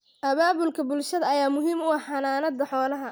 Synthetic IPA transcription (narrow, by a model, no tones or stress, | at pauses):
ʔɐβaːβʊlkʰɐbʊlʃɐðɐɐjaːmʊɦiːmʊɑħɐnaːnɐd̪ɐħɔːlɐɦɐ